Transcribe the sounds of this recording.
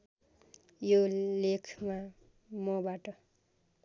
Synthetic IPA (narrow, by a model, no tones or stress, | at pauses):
jolekʰma | mʌbaʈʌ